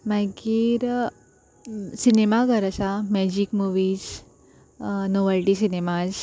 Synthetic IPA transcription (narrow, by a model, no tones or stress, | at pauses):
makiːɾ | sinemaɡʱəɾasamɛd͡ʑikmuʋiːd͡ʑ | noʋalʈisinemad͡z